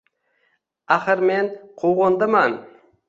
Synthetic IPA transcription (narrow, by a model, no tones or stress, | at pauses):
aχəɾmenqʰowʁond̪əmɑn